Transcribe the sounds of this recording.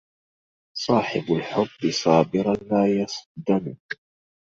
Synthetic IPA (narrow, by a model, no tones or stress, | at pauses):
sˤɑːħɪbalħʊbːɨsˤɑːbɪɾalaːjɑsˤd̪amʊk